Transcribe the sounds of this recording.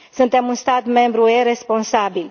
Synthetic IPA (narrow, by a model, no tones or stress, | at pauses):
sunt̪e̞munst̪at̪me̞mbɾueɾe̞spo̞nsabil